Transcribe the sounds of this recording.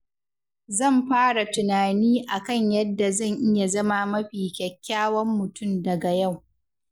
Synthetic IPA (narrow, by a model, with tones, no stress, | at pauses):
zɐ˦˨mɸaː˦ɽa˨tʊ˨naː˨niː˦ʔa˨kɐ˦˨ɲjɐ˦dːa˨zɐ˦˨ŋʔɪ˦ja˨zɐ˦ma˨mɐ˦ɸiː˨kʲɛ˨kʲːaː˦wɐ˦mːʊ˨tʊ˦˨mdɐ˨ɡa˨ja˦˨w